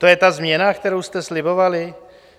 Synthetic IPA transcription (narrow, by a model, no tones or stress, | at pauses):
t̪o̞jɛt̪azmɲɛnakt̪ɛɾowst̪ɛslɪbo̞valɪ